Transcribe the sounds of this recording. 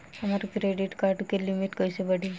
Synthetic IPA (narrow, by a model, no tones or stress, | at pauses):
amaɾukɾeɖiʈkaɾʈukelimiʈkəjsebəɽi